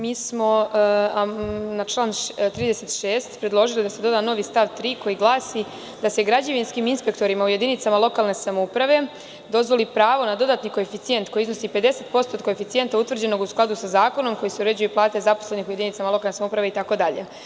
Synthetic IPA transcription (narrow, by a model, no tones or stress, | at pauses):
miːsmo̞ | nat͡ʃlˠaːnt̪ɾiːd̪eset̪ʃeːst̪pɾed̪lˠo̞ʒilid̪ase̞d̪o̞d̪aːno̞ʋist̪aʋt̪ɾiːko̞jiɡlˠaːsi | d̪ase̞ɡɾad͡ʑaʋinskiminspekt̪o̞ɾimauje̞d̪init̪samalˠo̞kaːlˠne̞samoupɾaʋe̞ | d̪o̞zʋo̞lipɾaːʋo̞nad̪o̞d̪aːt̪niko̞efit̪sije̞nt̪ko̞jizno̞sipe̞d̪e̞set̪̚po̞st̪oːt̪̚ko̞efit̪sie̞nt̪aut̪ʋvr̩d͡ʑe̞no̞ɡusklˠad̪usazaːko̞no̞mko̞jiseuɾe̞d͡ʑujuplˠaːt̪ezaposlenixuje̞d̪init̪samalo̞kalˠnesamoupɾaʋe̞it̪ako̞d̪aʎḛ